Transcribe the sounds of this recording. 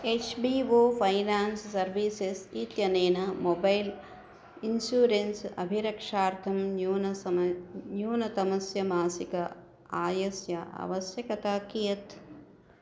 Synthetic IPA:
eːt͡ʃbiːʋoːpʰɐjnaːnsːɐɾʋiːsesiːt̪jɐneːnɐmobɐjl | insjuːɾensɐ̰bʱiɾɐkʂaːɾt̪ʰɐmːn | njuːnɐt̪ɐmɐsjɐmaːsikɐ | aːjɐsjɐʔɐ̰ʋɐsjɐkɐt̪aːkijɐt̪

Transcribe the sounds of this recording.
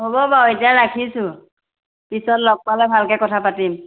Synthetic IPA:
ɦobɔbaoetijaɹakʰisʊ̃ | pisɔtlɔk̚palɛbʱalkɛkɔtʰapatim

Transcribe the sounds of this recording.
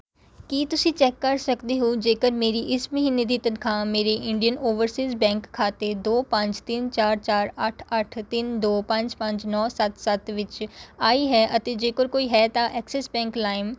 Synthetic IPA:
kiːt̪ʊsĩːt͡ʃɛːkːəɾsəkd̪eɦoːd͡ʒeːkəɾmeːɾiʔɪsməɦiːned̪iːt̪ənkʰãːmeːɾeʔɪ̃ɳɖijənoːʋəɾsiːzbɛ̃ːŋkʰːaːt̪ed̪oːpə̃ɲt͡ʃt̪ɪnt͡ʃaːɾt͡ʃaːɾəʈʰəʈʰt̪ɪnd̪oːpə̃ɲt͡ʃpə̃ɲt͡ʃnɔːsət̪sət̪ʋɪt͡ʃaːiɦɛːʔət̪ed͡ʒeːkəɾkoːiɦɛːt̪aːʔɛːksɛsbɛ̃ːŋklaːɪm

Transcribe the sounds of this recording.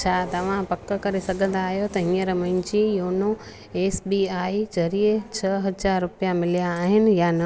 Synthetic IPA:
t͡ɕʰat̪ɐʋ̤ãpɐkːkɐɾesɐɡʱə̃nd̪aːɦjot̪ɐɦĩːəɾmɐ̃ɪ̃ɲd͡ʑijoːno | eːsbiːaːid͡ʑɐɾiet͡ɕʰɐɦɐzaːɾːʊpijamɪlijaːɦɪnɪ̆janɐ

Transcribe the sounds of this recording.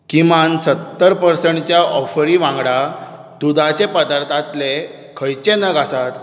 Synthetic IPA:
kimansət̪ːəɾpəɾsəɳʈt͡ɕjaʔɔfɾiʋãŋɡɽa | t̪ud̪ʱat͡ɕepəd̪aɾt̪ʰat̪le | kʰəjt͡ɕenəɡʱasat̪

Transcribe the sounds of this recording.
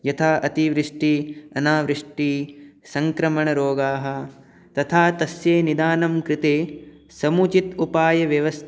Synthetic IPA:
jɐt̪ʰaːʔɐt̪iʋɾiʂʈiɐnaːʋɾiʂʈisɐŋkɾɐmɐɳɐɾoːɡaːɦɐ̆ | t̪ɐt̪ʰaːt̪ɐsjeːnid̪aːnɐmkɾɪt̪eː | sɐmut͡ʃit̪upaːjɐʋjɐʋɐst̪ʰ

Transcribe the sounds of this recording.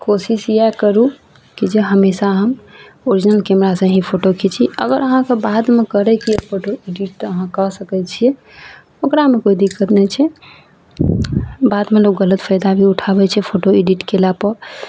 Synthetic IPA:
kosisijakəɾu | kid͡ʒeɦəmesaɦəm | oɾid͡ʒnəlkemɾasə̃ɦĩpʰoʈokʰet͡ʃʰiə̰ɡəɾəɦãkebad̪mekəɾɛkijepʰoʈoiɖiʈəɦãkəsəkɛt͡ʃʰijɛ | okɾamekoid̪ikːət̪nɛt͡ʃʰɛ | bad̪melokɡələt̪pʰəjd̪abʱiuʈʰabɛt͡ʃʰɛpʰoʈoiɖiʈkelapəɾ

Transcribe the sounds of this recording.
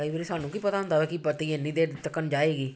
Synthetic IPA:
aːiːbəɾiːsaːnːũːkiːpət̪aːɦʊnd̪aːbɛːkipət̪iːeːnĩːd̪eːt̪əkənd͡ʒaːeːɡiː

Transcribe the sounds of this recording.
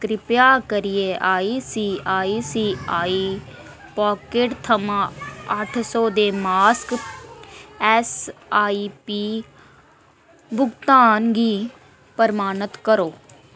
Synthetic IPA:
kɾɪpjakəɾijeʔaːisiːaːisiːaːi | pɔːkeːʈt̪ʰɐmãːaʈʰsoːd̪eːmaːsk | ɛsaːipiː | bʱʊɡt̪aːnɡiː | pəɾmaːnət̪kəɾoː

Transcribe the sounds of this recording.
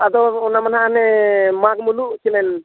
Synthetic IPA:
ad̪ɔːnamanɦaʔnɛmaɡmuluʔt͡ʃinɛn

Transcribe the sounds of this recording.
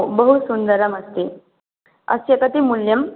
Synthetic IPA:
bəɦusund̪əɾəməst̪e | ə̰sjəkət̪imuljəm

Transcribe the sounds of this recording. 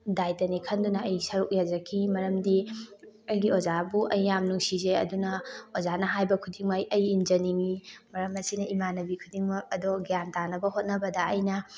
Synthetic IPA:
dajtɐnikʰɐndunɐɐjsɐɾuk̚jazɐkʰimɐɾɐmdi | ɐjɡiozabuʔɐjːamnuŋsizeɐ̰dunɐozanɐɦajbɐkʰudiŋmajɐjːnd͡ʒɐniŋimɐɾɐmɐsinɐimanɐbikʰudiŋmɐɐdoɡijantanɐbɐhot̚nɐbɐdɐɐjnɐ

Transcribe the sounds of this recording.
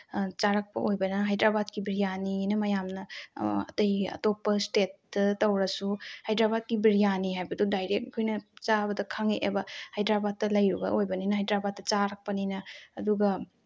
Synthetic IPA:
t͡ʃaɾak̚pɐ̰ʔojbɐnɐɦajdɾabat̚kibiɾijaninɐmɐjamnɐɐ̰tɐjɐ̰topːɐstet̚ː | ɐtɐwɾɐsuhajdɾabat̚kibiɾijaniɦajbɐdudajɾek̚kʰojnɐt͡ʃabɐdɐkʰaŋeʔḛbɐhajdɾabat̚tːɐlɐjɾubɐ̰ʔojbɐninɐɦajdɾabat̚ːɐt͡ʃaɾak̚pɐninɐːduɡɐ

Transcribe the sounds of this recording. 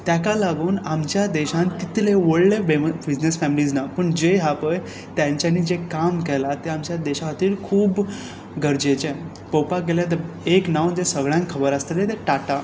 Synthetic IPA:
t̪jakalaɡuːnamt͡ɕjad̪eɕãnkit̪leʋəɽlebbid͡ʑnesfæmilid͡znapəɳd͡ʑeɦapəj | t̪jãɲt͡ɕjaniːd͡ʑekamkɛlat̪eamt͡ɕjad̪eɕaat̪iːlkʰuːb | ɡʱəɾd͡ʑet͡ɕe | popakeljat̪̬əɾ | eknawd͡ʑesəɡɭjãŋkkʰːəbəɾəst̪elet̪eʈaʈa

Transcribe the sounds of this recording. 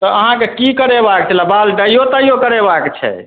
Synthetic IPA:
t̪ɔəɦãkekikəɾebakt͡ʃʰɛləbalɖəjot̪əjokəɾebakt͡ʃʰɛ̰

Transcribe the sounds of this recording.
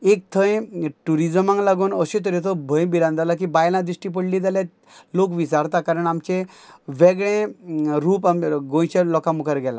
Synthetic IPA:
ek̚t̪ʰə̃jʈuɾid͡zəmãŋɡlaɡuːnəɕẽt̪̬əɾet̪obʱə̃jbiɾãnd̪alak̬ibajlãd̪ɾiɕʈip̬əɽlid͡z̪aljat̪ | lokʋisaɾt̪akaɾəɳamt͡ɕẽ | ʋeɡɭẽɾuːpamɡõjt͡ɕelɔkãmukaɾɡɛla̰

